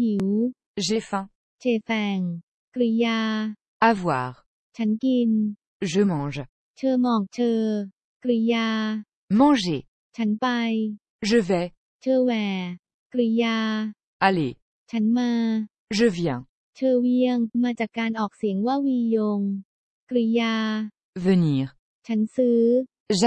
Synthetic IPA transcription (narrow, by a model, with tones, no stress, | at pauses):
mi˨˩˦w | ʒefɛ̃ | t͡ɕʰeː˧˩fɛ˨˩ŋ | kɾi˧jaː˧ | avwa̰ːʁ | t͡ɕʰa˦˥nki˧n | ʒəmɑ̃ʒ | t͡ɕʰɤː˧mɔː˨˩k̚t͡ɕʰɤː˧ | kɾi˧jaː˧ | mɑ̃˧ʒe | t͡ɕʰa˦˥npa˧j | ʒəvɛ | t͡ɕʰɤː˧wɛː˨˩ | kɾi˧jaː˧ | ale | t͡ɕʰa˦˥nmaː˧ | ʒəvjɛ̃ | t͡ɕʰɤː˧wi˧˥˩əŋmaː˧t͡ɕaː˨˩kːaː˧nʔɔː˨˩k̚si˨˩˦əŋwaː˥˩wiː˧jo˧ŋ | kɾi˧˩jaː˧ | vəniːʁ | t͡ɕʰa˦˥nsɯː˦˥ | ʒa